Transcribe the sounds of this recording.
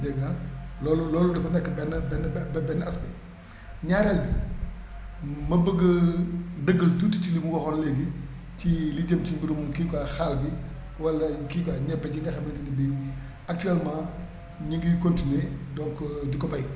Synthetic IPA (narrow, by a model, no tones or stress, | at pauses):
dɛŋallɔːlulɔːludɐfɐnɛkːɐbɛnːbɛnːbɛbɛnːaspɛ | ɲaɾɛlbi | mɐbəɡɐdəɡːəltuticilimuwɔxɔnlɛɡi | t͡ʃiliɟemt͡ʃimbiɾumkiːkaxalbi | wɐlːɐkiːkaɲɛbɐɟiŋɡɐxɐmɛntinibi | ɐk̚tyɛlmãː | ɲiŋɡikontinedɔŋkɟukɔbɐj